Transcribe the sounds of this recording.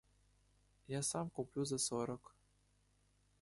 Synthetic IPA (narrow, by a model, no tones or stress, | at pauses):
jasamkuplʲuzɐsɔɾək